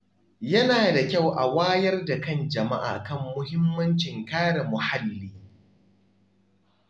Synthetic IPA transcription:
jɐ˦naː˨da˨kʲa˦˨wʔa̰˨waː˦jɐ˦rda˨kɐ˦˨nd͡ʒɐ˨ma˦ʔa̰ː˨kɐ˦˨mːʊ˦hɪ˦mːɐ˦nt͡ʃɪ˨ŋkaː˦ɽa˨mʊ˨ha˦lːiː˦

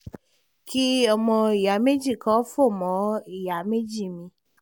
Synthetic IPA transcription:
ki˦ɔ˧mɔ̃˧i˨ja˨˦me˦d͡ʒi˦˨kɔ˦fo˦˨mɔ̃˨˦i˦˨ja˨˦me˦d͡ʒi˦˨mĩ˧

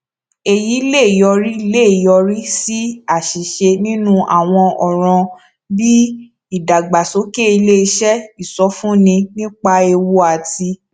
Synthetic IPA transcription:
e˨ji˨˦le˦˨jɔ˧ɾi˦i˦le˦˨i˨jɔ˧ɾi˦si˦a˦˨ʃi˨ʃe˧nĩ˦nũ˦ʔa̰˦˨w̃ɔ̃˧ɔ˨ɾ̃ɔ̃˧ | bi˦ | i˦˨da˨ɡ͡ba˨so˨˦ke˦i˧le˦i˧ʃɛ˦i˨sɔ˨˦fũ˦nĩ˧nĩ˦k͡pa˧e˧wo˧a˨ti˧

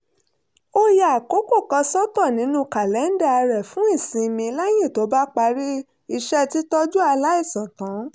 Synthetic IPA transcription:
o˦ja˨ko˨˦ko˦˨kã˧sɔ˦tɔ˦˨nĩ˨˦nũ˧ka˨lɛ˨˦n̩˦da˦˧ɾɛ˨fũ˨˦i˦˨sĩ˧mĩ˧la˦j̃ĩ˦˨to˨˦ba˦k͡pa˧ɾi˦ | i˧ʃɛ˦ti˦tɔ˦d͡ʒu˦a˧la˦i˦˨sã˨kã˨˦

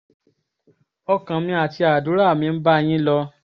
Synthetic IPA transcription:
ɔ˧kã˨˧mĩ˧a˨ti˧a˨du˨˦ɾa˦˨mĩ˧n̩˦ba˦˧j̃ĩ˦lɔ˧

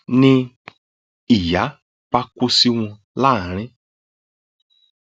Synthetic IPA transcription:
nĩ˧ | i˨ja˨˦ | pa˧kʷʊ˧si˦w̃ɔ̃˧ | la˦˨ɾ̃ɪ̃˦

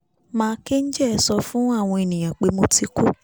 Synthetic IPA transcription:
mãː˦˧˦ke˦n̩˦d͡ʒɛ˦ɛ˧sɔ˧fũ˦a˦˨w̃ɔ̃˧e˨nĩ˨j̃ã˨k͡pe˧˦mo˧ti˧˦ku˦˨

